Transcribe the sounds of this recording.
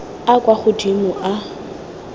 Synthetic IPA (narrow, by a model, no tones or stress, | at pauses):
akʼwaχʊdimʊʔa